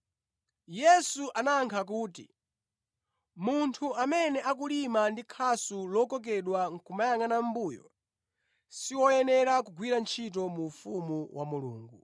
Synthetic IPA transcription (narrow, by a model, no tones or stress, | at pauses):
jɛsuʔanaŋkʰak̬uːtḭ | muntʰuʔamɛnɛʔakulimandikʰasulɔkɔk̬ɛɗwaŋ̩kʰumajaŋɡanam̩buːjɔ̰ | siwɔjɛnɛɾakuɡwiɾant͡ʃʰit̬ɔmufumuwʔa̰mulṵːŋɡu